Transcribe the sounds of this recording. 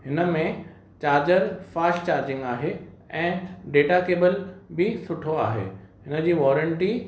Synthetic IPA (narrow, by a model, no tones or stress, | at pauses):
ɦɪnə̆mẽ | t͡ɕaːɾd͡ʑəɾfaːsʈt͡ɕaːɾd͡ʑɪ̃ŋɡaːɦe | ɛ̃ːɖeːʈakeːbəlbɪsʊʈʰoa̰ːɦḛːɦɪnə̆d͡ʑiːʋɔːɾəɳʈi